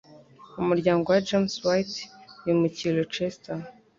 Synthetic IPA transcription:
umuɾɟaːŋɡo̞wad͡ʒamswajtujumucilot͡ʃesta

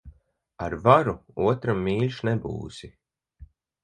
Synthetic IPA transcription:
aɾvaɾuuɔt̪ɾamːiːlʲʃnebṵːsi

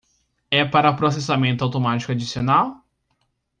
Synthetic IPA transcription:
ɛpaɾɐpɾosesamẽnt̪ʊawt̪omat͡ʃi̥kʊad͡ʒisionaw

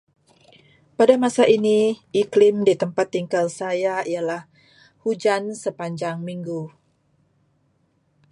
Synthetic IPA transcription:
padamasaʔiniʔiklɪmdit̪əmpat̪ːiŋkalsajaijalah | hud͡ʒansəpaɲd͡ʒaŋmiŋɡu

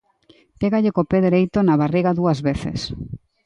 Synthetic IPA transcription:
peɣaʎekopeðeɾejt̪onaβariɣaðuɐzβeθḛs

